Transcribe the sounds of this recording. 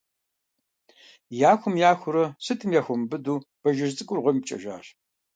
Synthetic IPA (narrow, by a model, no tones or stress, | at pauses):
jaːxʷʊmjaːxʷʊɾɐsɨtʰɨmjaːxʷɔmbɨduːb̥ɐʒɐzt͡sʼɨkʷʼʊrʁʷɔmpt͡ʃʼɐ̰ʒa̰ːɕ